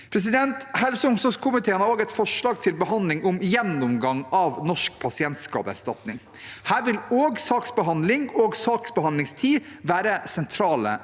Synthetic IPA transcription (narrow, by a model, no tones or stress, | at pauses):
pʰɾɛs̬ɪd̪ɛnt̪hɛlsəʊŋsɔskʰʊmɪt̪ʰeːənɑɾoːɡɛt̪fɔʂɭɑːɡ̚t̪ʰɪlbəhɑnd̪lɪŋʊmjɛnːʊmɡɑŋɑːʋnɔʂk̚pʰɑsɪɛnt̪skɑ̰ːpæ̰ɾst̪ɑt̪nɪŋ | hæːɾʋɪloːɡsɑːksbəɦɑnd̪lɪŋoːɡsɑːksbəhɑnd̪lɪŋst̪ʰiːʋæːɾəsɛnt̪ʰɾɑːlə̰